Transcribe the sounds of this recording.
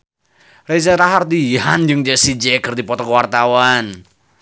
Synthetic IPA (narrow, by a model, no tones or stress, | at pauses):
rezaɾaɦard̪iɦand͡ʒɨŋd͡ʒasid͡ʒɛkɨrdipɔt̪ɔkəwart̪awan